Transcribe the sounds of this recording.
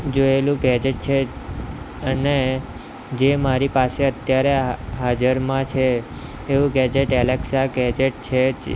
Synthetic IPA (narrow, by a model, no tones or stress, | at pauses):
d͡ʒoelũɡɛd͡ʒeʈ̚t͡ʃʰe | əne | d͡ʒemaɾipaseət̪jaɾeɦad͡ʒəɾmãt͡ʃʰeː | ʋũɡɛd͡ʒeʈɛlɛksaɡɛd͡ʒeʈ̚t͡ʃʰe